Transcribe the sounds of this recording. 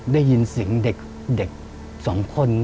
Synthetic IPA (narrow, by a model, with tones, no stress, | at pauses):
daː˥˩jːi˧nsi˨˩˦ŋde˨˩k̚ | de˨˩k̚ | sɔː˩˦ŋkʰo˧˥˨nː